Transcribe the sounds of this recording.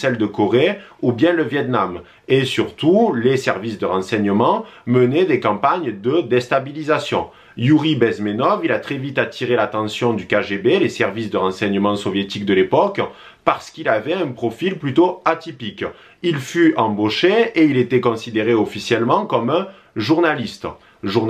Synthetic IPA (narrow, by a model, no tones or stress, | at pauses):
sɛld̪əkɔʁeubjɛ̃ləvjɛt̪nam | esyʁt̪ulesɛʁvisd̪əʁɑ̃sɛɲəmɑ̃məned̪ekɑ̃paɲd̪əd̪ɛst̪abilizasjɔ̰̃ | juʁibɛzmenɔvilat̪χɛvit̪at̪ʰiʁelat̪ɑ̃sjɔ̃d̪ykaʒebelesɛʁvisd̪əʁɑ̃sɛɲəmɑ̃sɔvjet̪ikd̪əlepɔk | paʁsə̥kilavɛɛ̃pχɔfilplyt̪oat̪ipik | ilfyɑ̃boʃeeilet̪ɛkɔ̃sid̪eʁeɔfisjɛlmɑ̃kɔmɛ̃ | ʒuʁnalist̪ | ʒu